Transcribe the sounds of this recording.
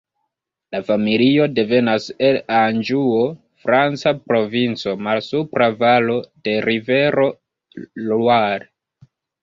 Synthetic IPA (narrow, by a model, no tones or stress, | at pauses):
lafamilio̞de̞ve̞naseland͡ʒuo | fɾant͡sapɾo̞vint͡so̞malsupɾavalo̞d̥e̞ɾive̞ɾo̞ | lwaɾ